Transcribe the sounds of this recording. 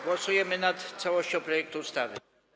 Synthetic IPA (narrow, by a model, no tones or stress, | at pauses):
ɡwɔsujɛmɘnat̪t̪sawɔɕt͡ɕɔ̃pɾɔjɛk̚t̪uust̪avɘ